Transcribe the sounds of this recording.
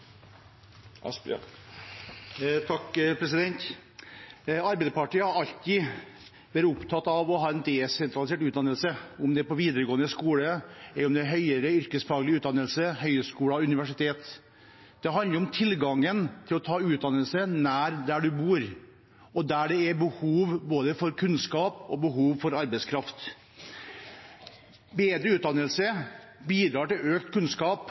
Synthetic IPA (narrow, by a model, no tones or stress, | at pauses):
t̪ʰɑkpʰɾɛsɪd̪ɛnt̪ | ɑɾbɛɪd̪pɑʈiːəhɑɾɑʎt̪ɪ | ʋæːɾʊpt̪ʰɑt̪ːɑʋɔɦɑːɛnd̪ɛsɛnt̪ɾɑlɪseːʈʉːt̪d̪ɑnəlsəʊmd̪ɛpɔʋiːd̪əɾəɡoːənəskuːləɛʊmd̪ɛɦœʏəɾəʏɾkəsfɑːɡəlɪʉːt̪̚d̪ɑnəlsəhœʏəskuːɽɑʉnɪʋæʂɪt̪ʰeːt̪ | d̪̥ɛɦɑnd̪əɾʊmt̪ʰɪlɡɑŋːənt̪ʰɪlɔt̪ʰɑːʉːt̪̚d̪ɑnəlsənæːɾd̪æɖʉbuːɾ | ɔd̪æɖɛɛbəhuːʋboːd̪əfɔɾkʰʉnskɑːpɔbəɦuːʋfɔɾɑɾbɛskʰɾɑft̪ | beːd̪ɾəʉːt̪d̪ɑnəlsə | biːd̪ɾɑːʈɪløːkt̪kʉnskɑːp